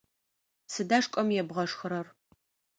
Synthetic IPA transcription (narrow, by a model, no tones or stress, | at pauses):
sɨdaʂkʷʼɔmjɛbʁɐʂxɨɾɐr